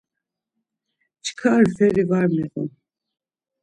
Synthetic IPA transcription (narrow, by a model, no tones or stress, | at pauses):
t͡ʃʰkʰaɾfʰɛɾivaɾmɛɣṵm